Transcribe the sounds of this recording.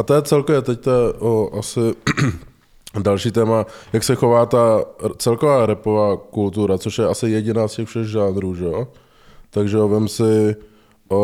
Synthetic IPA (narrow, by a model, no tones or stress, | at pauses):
ʔat̪ojɛt͡sɛlkovjɛt̪ɛct̪ɛʔoʔasɪ | dalʃiːt̪ɛːmajaksɛxo̞vaːt̪at͡sɛlkovaːɾɛpovaːkult̪uɾat͡soʃjɛʔasɪjɛɟɪnaːscɛxfʃɛɣʒaːnɾuːʒɛo | t̪aɡʒɛovɪmsɪ | ʔo